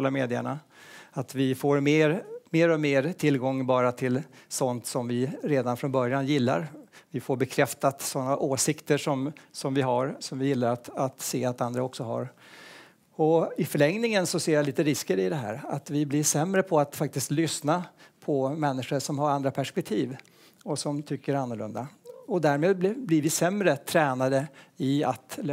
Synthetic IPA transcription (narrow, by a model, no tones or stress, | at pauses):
lameːd̪ɪə̰ɳa | at̪vɪfoːɾmeːɾmeːɾɔmeːɾt̪ʰɪlɡɔŋːbɑːɾat̪ʰɪlsɔnt̪sɔmvɪɾeːd̪anfɾɔnbœɾjanjɪlːa̰ɾvɪfoːɾbɛkʰɾɛft̪at̪sɔnːaʔoːsɪkt̪əʂɔmsɔmvɪɦaɾsɔmvɪjɪlːaɾat̪at̪seːat̪and̪ɾaɔksɔɦa̰ɾ | ɔɪfœɭɛŋnɪŋənsɔseːɾjaliːt̪əɾɪskəɾɪd̪ɛɦæ̰ːɾa̰t̪vɪblɪʂɛmːɾəpʰɔat̪fak̚t̪ɪst̪lʏsnapʰɔmɛnːɪɧəʂɔmɦaɾand̪ɾapʰæʂpɛk̚t̪ʰiːv | ɔsɔmt̪ʰʏkːəɾanːʊɭɵ̰nd̪aɔd̪æːɾmeːd̪̚bblɪɾvɪsɛmːɾət̪ʰɾɛːnad̪əɪat̪